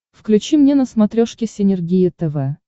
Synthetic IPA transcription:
fklʲʉt͡ɕimnʲenəsmɐt̪ɾʲoʂkʲɪsʲɪnʲɪrɡʲijɪt̪ɛvɛ

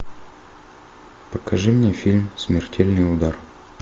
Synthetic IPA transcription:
pəkɐʐɨmnʲefʲilʲmsmʲɪrtʲʰelʲnɨjʊd̪ar

